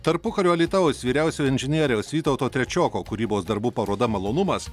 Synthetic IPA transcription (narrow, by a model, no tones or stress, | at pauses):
t̪ɐɾpʊkɐɾʲuːɐlʲiːt̪ɑʋosʋʲiːɾʲæˑʊsʲoːɪnʲʒʲɪnʲiɛɾʲoːsʋʲiːt̪ɐʊt̪oːt̪ʲɾʲɛt͡ʃʲoːkoːkʊɾʲiːboːsd̪ɐɾbuːpɐɾuɔd̪ɐmɐlˠoːnʊmɐs